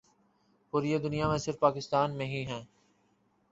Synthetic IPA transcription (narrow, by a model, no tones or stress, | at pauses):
puːɾied̪ʊnijaːmẽsɪɾfpaːkɪst̪aːnmẽːɦiɦɛ̃ː